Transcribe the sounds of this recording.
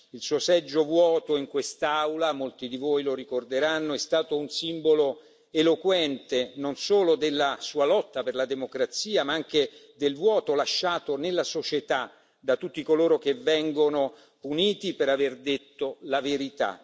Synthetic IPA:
ilsuːosɛd͡ʒːovwɔːt̪oiŋkwest̪awlamolt̪id̪ivojloɾikord̪eɾanːoɛst̪aːt̪ounsimbolo | elokwɛnt̪enonsoːlod̪elːasuːalɔt̪ːaperlad̪emokɾat̪siːamaaŋk̟ed̪elvwɔːt̪olaʃːaːt̪onelːasot͡ʃet̪a | d̪at̪ːut̪ːikoloːɾok̟evɛŋɡono | puniːt̪ipeɾaverd̪et̪ːolaveɾit̪a̰

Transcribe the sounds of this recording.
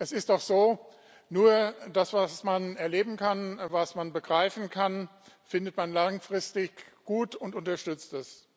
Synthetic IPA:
ʔɛsɪst̚d̥ɔχz̥oː | nuːɐd̥asv̥asmanɛɐleːbm̩kʰanvasmanbəɡʁaɪfn̩kʰan | fɪndətmanlaŋfʁ̥ɪstɪçɡ̥uːtʊntʊntɐʃtʏt͡stɛs

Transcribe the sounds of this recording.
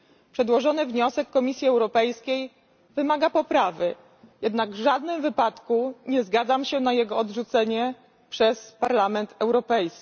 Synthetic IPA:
pʂɛd̪wɔʐɔnɘvɲɔsɛkːɔmʲisʲjiɛwɾɔpɛjskʲej | vɘmaɡapɔpɾavɘ | jɛd̪naɡvʐad̪nɘmvɘpat̪kuɲɛzɡad̪zamɕɛnajɛɡɔːd̪ʐut̪sɛɲɛ | pʂɛspaɾlamɛnt̪ʰɛwɾɔpɛjskʲi

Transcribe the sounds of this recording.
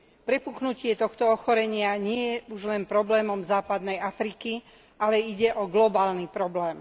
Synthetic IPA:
pɾɛpuknucɪɛt̪ɔxt̪ɔɔxɔɾɛɲɪaɲɪɛjɛuʒlɛnpɾɔblɛːmɔmzaːpad̪nɛjafɾiki | ʔalɛiɟɛʔɔɡlɔbaːlnipɾɔblɛːm

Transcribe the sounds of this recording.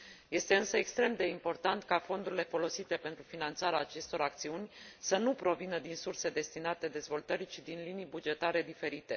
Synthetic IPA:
je̞st̪e̞ɨnsəekst̪ɾe̞md̪e̞impo̞rt̪ant̪kafo̞nd̪uɾile̞fo̞lo̞sit̪e̞pe̞nt̪ɾufinant̪saɾeaːt͡ʃe̞st̪o̞ɾak̚t̪siunʲsənupɾo̞vinəd̪insurse̞d̪e̞st̪inat̪e̞d̪e̞zvo̞lt̪əɾit͡ʃid̪inlinijbud͡ʒe̞t̪aɾe̞d̪ife̞ɾit̪e̞

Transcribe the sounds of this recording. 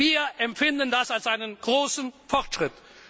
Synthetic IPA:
viːɐʔɛmpfɪndəndasalsʔaɪnənɡ̥ʁoːsn̩fɔʁtʃʁ̥ɪt

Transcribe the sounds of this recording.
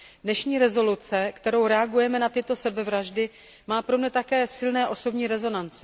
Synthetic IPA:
dnɛʃɲiːɾɛzo̞lut͡sɛkt̪ɛɾo̞wɾɛaɡujɛmɛnat̪ɪt̪o̞sɛbɛvɾaʒdɪ | maːpɾo̞mɲɛt̪akɛːsɪlnɛːʔo̞so̞bɲiːɾɛzo̞nant͡sɛ

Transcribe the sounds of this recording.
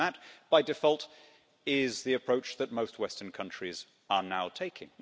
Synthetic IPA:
ət̚b̥aɪdɨfɔlˠt | ɪzðiɨpʰɹ̥oʊt͡ʃðɨt̚moʊst̚wɛstə̃˞nkʰʌ̃nt͡ʃɹ̥iz | ə˞naʊtʰeɪkʰɪ̃ŋ

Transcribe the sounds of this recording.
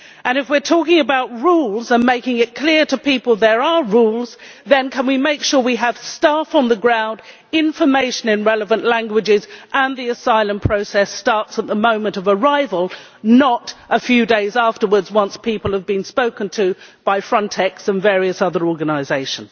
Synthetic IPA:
ʔɨ̃ñɨfwɪɹtʰɔkɪ̃ŋɨbaʊt̚ɹulˠzə̃nmeɪkɪ̃ŋɪt̚kʰl̥ɪɹɾɨpipəl̩ˠðə˞əɹulˠzðɨ̃nkʰə̃nwimeɪkʃʊɹwiəv̥stæfn̩ðəɡɹãʊ̃nd | ɪ̃ɱfə˞meɪʃɨ̃nɨ̃nɹɛlˠəvə̃nʔlæ̃ŋɡwɨd͡ʒɪzʔə̃nðiɨsaɪlˠə̃mpʰɹ̥oʊsɛstɑɹtsət̪̚ðəmõʊ̃mɨ̃ntʌvə˞aɪvəlˠ | nəɾʔəfjʉdeɪzæftə˞wə˞dzwʌ̃nspʰipəl̩ˠəvbɨ̃nspoʊkɨ̃ntʰɨb̥aɪfɹʌ̃ntʰɛksə̃nvɛɹiɨsʌðə˞ɔɹɡɨnəɪzeɪʃə̃n̩z̥

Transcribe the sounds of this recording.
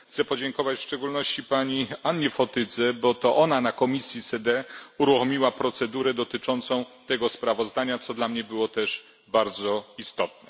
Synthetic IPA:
xt̪sɛpɔd͡ʑɛŋkɔvat͡ɕfʂt͡ʂɛɡulnɔɕt͡ɕipaɲianːɲɛfɔt̪ɘd̪zɛbɔt̪ɔʔɔnanakɔmʲisʲjisɛd̪ɛuɾuxɔmʲiwapɾɔt̪sɛd̪uɾɛd̪ɔt̪ɘt͡ʂɔnt̪sɔ̃w̃t̪ɛɡɔspɾavɔzd̪aɲat̪sɔd̪lamɲɛbɘwɔt̪ɛʂ | baɾd̪zɔist̪ɔt̪̚nɛ

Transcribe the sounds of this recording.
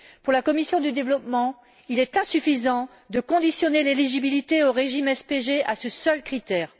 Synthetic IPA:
puʁlakɔmisjɔ̃d̪yd̪evlɔpmɑ̃ | ilɛt̪ɛ̃syfizɑ̃ | d̪əkɔ̃d̪isjɔneleliʒibilit̪eoʁeʒimɛspeʒeʔasəsœlkχit̪ɛːʁ

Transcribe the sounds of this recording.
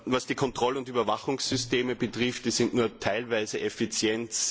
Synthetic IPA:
vasd̥iːkʰɔntʁ̥ɔləʊntyːbɐvaχʊŋsːʏsteːməbətʁɪftd̥iːzɪntnuːɐtʰaɪlvæɪzəʔɛfit͡sjɛnt͡s

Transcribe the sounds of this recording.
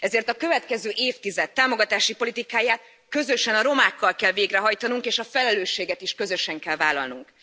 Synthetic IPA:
ɛzeːrt̪ɒkø̞vɛt̪kɛzøːʔeːft̪izɛt̪ːaːmo̞ɡɒt̪aːʃipo̞lit̪ikaːjaːt̪ | kø̞zø̞ʃɛnɒɾo̞maːkːɒlkɛlveːɡrɛɦɒjt̪ɒnuŋkeːʃɒfɛlɛløːʃːeːɡɛt̪iʃkø̞zø̞ʃɛŋkɛlvaːlɒ̰lnuŋk

